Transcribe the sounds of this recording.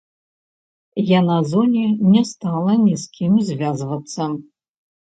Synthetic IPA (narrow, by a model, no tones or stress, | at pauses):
janazonʲinʲɛst̪alˠɐnʲiskʲʰimzʲvʲazvɐt̪sːɐ